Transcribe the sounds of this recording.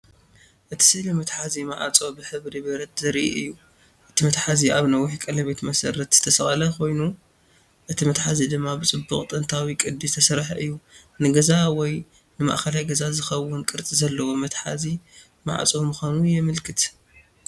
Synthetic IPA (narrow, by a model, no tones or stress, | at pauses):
ʔɨt̪ʰi̥sɨlɨmɐt̪ħazima̰ʕa̰t͡sʼo̞bɨħɨβɾibɐɾɐt̪zɐɾʔḭʔɨjːu | ʔɨt̪ʰimɐt̪ħaziʔaβnɐwʊħkʼɐlɐβet̪mɐsɐɾɐt̪z̥ɨt̪ʰɐsɐχʼɐlɐko̞jnu | ʔɨt̪ʰimɐt̪ħazid̪ɨmːabɨt͡sʼɨbːuχʼt̪ʼɐnt̪ʰawikʼɨd̪izt̪ʰɐsɐɾħɐʔɨjːunɨɡɐzawɔj | nɨma̰ʔxɐlajɡɐzazɨxɐwʊnkʼɨɾt͡sʼizɐlːɐwomɐt̪ħa̰zi | ma̰ʕa̰t͡sʼomuxʷanujɛmɨlkʰɨt̪